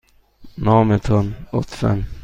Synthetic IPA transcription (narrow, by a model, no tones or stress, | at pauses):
naːmət̪ʰɔnɔ̰t̪ːfɛ̰m